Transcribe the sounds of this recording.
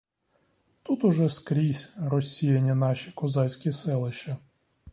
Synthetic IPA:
t̪ut̪ʊʒɛskɾʲisʲɾɔsʲijɐnʲːɐnɑʃʲikɔzɑsʲkʲisɛlˠɪʃt͡ʃɐ

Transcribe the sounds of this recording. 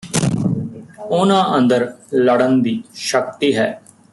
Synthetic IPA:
ʊnãːʔə̃nd̪əɾləɽənd̪iːʃəkt̪iːɦɛː

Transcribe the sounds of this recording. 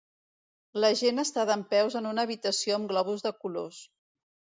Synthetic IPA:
ləʒenəst̪aðəmpɛwzənunəːβit̪əsioəmɡlɔβ̞uzðəkulos

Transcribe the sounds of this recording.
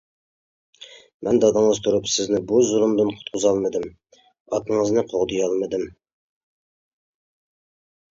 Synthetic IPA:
mʔɛnd̪ɑd̪əŋəzt̪ʰuɾupsɪznɪbuzulˠumd̪ɨnqʰʊ̥t̪̚qʰʊzɑlˠmɨd̪ɨm | ɑt̪əɴəznɨqʰoʁd̪ɨjɑlˠmɨd̪ɨm

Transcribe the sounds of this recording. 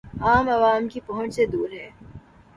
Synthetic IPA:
aːmɐʋaːmkipɐɦʊ̃t͡ʃsed̪uːɾɦɛː

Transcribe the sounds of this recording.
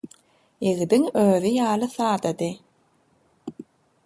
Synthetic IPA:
eɣd̪iŋøːðijɑːlˠɯθɑːd̪ad̪ɯ

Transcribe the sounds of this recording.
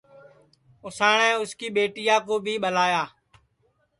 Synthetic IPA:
ʊsaːɳɛ̃ːʊskiːɓeːʈijãːkoːbʱiːɓəlaːjaː

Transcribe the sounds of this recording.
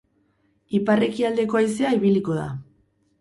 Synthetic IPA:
ipare̞kiald̪e̞ko̞ajse̞aiβiliko̞ða̰

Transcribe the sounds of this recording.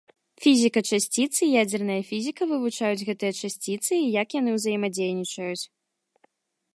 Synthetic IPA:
fʲizʲikɐt͡ʂasʲt͡sʲit̪sɨjad͡zʲɛrnɐjɐfʲizʲikɐvɨvut͡ʂajud͡zʲɣɛt̪ɨjɐt͡ʂasʲt͡sʲit̪sɨijɐkjanɨwzɐjimad͡zʲejnʲit͡ʂɐjut͡sʲ

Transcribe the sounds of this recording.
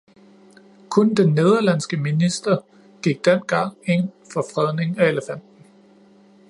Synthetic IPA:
kʰɔ̽nd̥enːe̝ð̞ˠɐlæn̰sɡ̥əminisd̥ɐ | ɡ̥iɡ̥̚d̥en̰ɡ̥ɑ̈ŋ̰e̝n̰fɒ̽fʁɛðˠne̝ŋæe̝ləfæn̰d̥n̩

